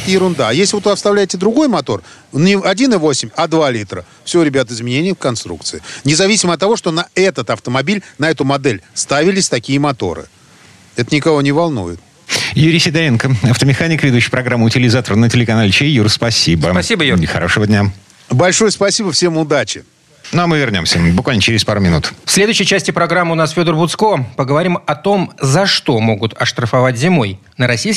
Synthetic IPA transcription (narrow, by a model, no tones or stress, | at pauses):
t̪jɪɾʊnd̪ajesʲlʲɪvot̪vɨɐfst̪ɐvlʲæɪtʲɪd̪ɾʊɡo̞jmɐt̪o̞r | nʲɪɐdʲinɨvo̞sʲɪmʲɐd̪valʲit̪ɾə | fsʲɪoɾʲɪbʲat̪əɪzmʲɪnʲenʲɪjəfkɐnst̪ɾṵk̚t̪sɨɪnʲɪzɐvʲisʲɪməɐt̪ːɐvo̞ʂt̪o̞nɐɛt̪ət̪ɐft̪əmɐbʲilʲnɐɛt̪ʊmɐd̪ɛlʲst̪avʲɪlʲɪsʲt̪ɐkʲijəmɐt̪o̞̰ɾɨ̰ | ɛt̪ənʲɪkɐvo̞nʲɪvɐlˠnṵjɪt̪̚ | juɾʲisʲɪd̪ɐlʲinkəɐft̪əmʲɪxanʲɪkvʲɪd̪uɕːɪjpɾɐɡɾamːʊtʲɪlʲɪzat̪ərnətʲɪlʲɪkɐnalʲɪt͡ɕejurspɐsʲib̪əpɐsʲibəjxɐ̰ɾo̞ʂɨvədʲnʲa | bɐlʲʂojəspɐsʲibəfsʲemʊd̪at͡ɕɪ | noɐmɨvʲɪrnʲo̞̰msʲəbʊkvalʲnət͡ɕɪɾʲɪspaɾʊmʲɪnut̪fsʲlʲe̞d̪ʊjʏɕːɪjt͡ɕæsʲtʲɪpɾɐɡɾamːɨʊnasfʲod̪ərbʊt̪skopəɡəvɐɾʲimɐt̪o̞mzɐʂt̪o̞mo̞ɡʊt̪ɐʂt̪ɾəfɐvatʲzʲɪmo̞j | nəɾɐsʲijs